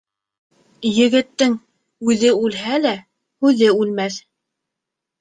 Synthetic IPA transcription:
jɘ̆ɡɘ̆t̪ːɘŋ | ʉðɘʉlɦælæ | hʉðɘʉlmæθ

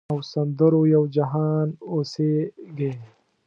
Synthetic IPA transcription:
ɐwsɐnd̪ɐɾojɐwd͡ʒɐɦaːnoseɡe

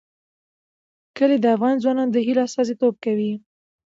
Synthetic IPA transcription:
kəled̪əafɣɑnzwɑnɑnd̪əɦilast̪ɑzit̪ob̚kawi

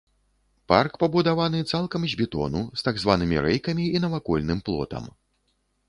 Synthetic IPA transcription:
pa̰rkpɐbud̪avanɨt̪salˠkɐmzʲbʲit̪ɔ̰nust̪aɡzvanɨmʲḭɾɛjkɐmʲiinɐvakɔlʲnɨmplˠɔ̰t̪ɐ̰m

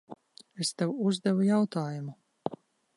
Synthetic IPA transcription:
est̪ɛwuzd̪ɛvujawt̪aːjumu

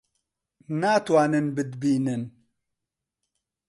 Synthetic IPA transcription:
naːt̪waːnɨnbɨd̪biːnɨn

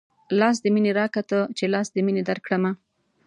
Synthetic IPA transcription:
lɑs̬d̪əmineɾɑkat̪ət͡ʃelɑsd̪əmined̪aɾkɽəma

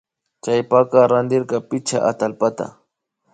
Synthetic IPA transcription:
t͡ʃajpakɑɾand̪ɪɾkɑpɪt͡ʃa̰ʔat̪alpat̪a̰

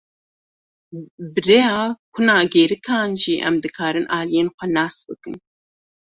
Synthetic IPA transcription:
bɨɾejɑːkʷʰunɑːɡeːɾɨkʰɑːnʒiːʔɛ̰md̪ɨkʰɑːɾɨnʔɑːlijeːnxʷɛnɑːsbɨkɨn

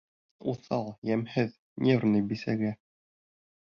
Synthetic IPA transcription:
uθɑlˠjæmhɘð | nʲʔernɤ̆jbisæ̰ɡæ

